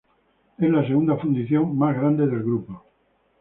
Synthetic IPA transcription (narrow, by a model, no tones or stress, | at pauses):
ezlaseɣund̪afund̪iθjoŋmazɣɾand̪eðe̞lɣɾupo